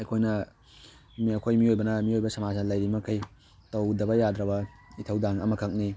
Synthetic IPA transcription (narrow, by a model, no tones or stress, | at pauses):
ɐjkʰojnɐ | miɐkʰojmiojbɐnɐmiojbɐsɐmad͡ʒnɐlɐjɾimɐkʰɐj | tɐwdɐbɐjadɾɐbɐ | itʰɐwdaŋɐmɐkʰɐk̚ni